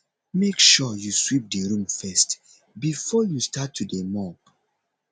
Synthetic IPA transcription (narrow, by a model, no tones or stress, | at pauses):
mekʃɔjuswip̚dəɹũmfɛst | bifɔjustatʰːudemɔp